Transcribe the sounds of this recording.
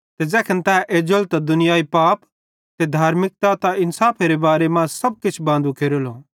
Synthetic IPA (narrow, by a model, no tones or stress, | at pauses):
t̪ed͡zɛːkʰənt̪ɛːʔeːd͡ʒəlt̪ad̪ʊnɪjaːipaːp | t̪ed̪ʱaːɾmɪk̚t̪at̪aɪnsaːpʰeɾebaːɾemãːsɐb̚kɪt͡ʃʰbãːnd̪ukʰeːɾoloː